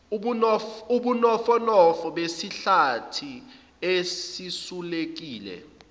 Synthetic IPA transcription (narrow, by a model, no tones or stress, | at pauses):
ɓunɔuɓunɔfɔnɔfɔɓesiɬatʰi | esisulek̬iːlɛ̰